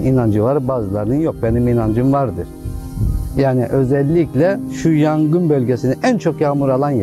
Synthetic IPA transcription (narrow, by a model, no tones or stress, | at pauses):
inand͡ʒɯvaɾbaːzɯlˠaɾɯnɯnjok̚beniminand͡ʒɯmvaɾd̪ɯɾ̥ | jaːniʔø̞zɛlʲːiclʲɛʃujaŋɡɯnbølʲɟesiniʔænt͡ʃʰo̞kjaːmuɾalˠanj